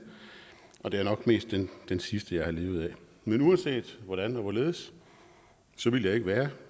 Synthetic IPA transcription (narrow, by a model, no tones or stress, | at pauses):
ʔɒ̽d̥e̝æɐnɒ̽ɡ̥me̝̰ːsd̥ːend̥ensisd̥əjɑ̈ɪhɑ̈le̝ːʊð̞̩ˠɛ | menuːɐnse̝̰ːd̥ʋɒɾ̥ænɒ̽ʋɒle̝ːð̞̩ˠs | sɒ̽ʋiljɑ̈ɪeɡ̥əʋæːɐ